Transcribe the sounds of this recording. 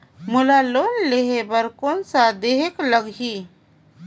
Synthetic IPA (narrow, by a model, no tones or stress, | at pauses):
mʊlaloːnleɦebəɾkoːnsad̪eɦekləɡi